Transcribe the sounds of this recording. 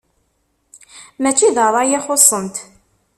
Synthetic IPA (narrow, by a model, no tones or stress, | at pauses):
mæt͡ʃːiðəðˤɑjæχosˤːənt̪